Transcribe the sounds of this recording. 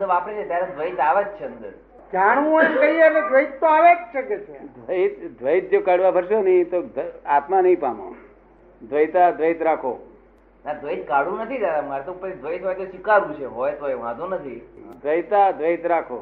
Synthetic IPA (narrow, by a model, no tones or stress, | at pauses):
səbapəɽ̃ẽt͡ʃʰet̪jaɾed̪ʱʋəit̪aʋəd͡ʒt͡ʃʰeənd̪əɾ | kaɳʋũənkəiɛled̪ʋəit̪ːoaʋekʃʰəket͡ʃʰed̪ʋəit̪d̪ʱʋəit̪̚d͡ʒokaɽʋabʱəɾʃonəĩt̪od̪at̪manəɦĩpamõ̰ | d̪ʱʋəjt̪ad̪ʱʋəit̪ɾakʰo̰ | nad̪ʱʋəit̪kaɽũnət̪ʰit̪aɾamaɾɛt̪oupəɾid̪ʱʋəit̪ɦɔjt̪oʃikaɾũt͡ʃʰeɦɔjt̪oeũã̰d̪õnət̪ʰid̪ʋəjt̪ad̪ʋəit̪ɾakʰo̰